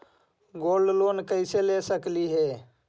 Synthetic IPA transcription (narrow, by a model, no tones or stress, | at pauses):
ɡoːlɖloːnkəɪselesəkliɦeː